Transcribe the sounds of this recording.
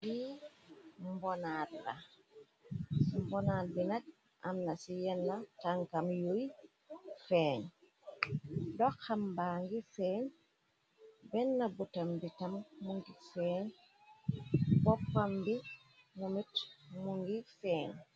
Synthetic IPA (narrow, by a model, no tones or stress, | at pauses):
ɡi | mbonaːdla | smbonaːl̚binat̚ | ʔa̰mnasijɛnːataŋkamjoj | feːɲ | doxambaŋɡifeːɲ | bɛnːabutambitamːuŋɡifeːɲ | bopːambi | mumitmuŋɡifeːɲ